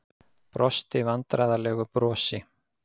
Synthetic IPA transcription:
pɾɔst̪ɪvant̪ɾajðalɛːɣʏpɾɔːsɪ

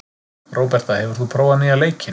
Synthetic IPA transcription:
ɾoːwpɛɾ̥t̪ahɛvʏɾ̥θupʰɾoːwvanɪaleːjcɪn

